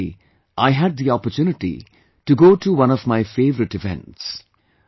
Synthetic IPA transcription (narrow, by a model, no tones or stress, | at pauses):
ʔaɪɦæɖ̪̚d̪iɔpəɾtjunɪʈḭ | ʈuɡoːʈʰuwʌ̃nɔvmaɪfeːvəɾɨʈɨvɛ̰̃nʈs